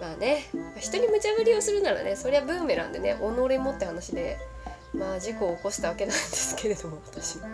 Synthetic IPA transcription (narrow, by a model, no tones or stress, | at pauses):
maːne̞maçi̥t̪o̞ɲ̟imɯ̟t͡ɕaβɯ̟ɾʲio̞sɨɾɯ̟naɾa̰ne̞so̞ɾeabɯ̟̃ːme̞ɾã̰nd̪e̞ne̞̰ʔo̞noɾimot̪ːe̞hanaɕid̪e̞ | mad͡ʑiko̞ːko̞ɕi̥t̪aβ̞ake̞nãnd̪e̞sɨ̥kʰe̞ɾe̞d̪o̞mo̞βat̪aɕia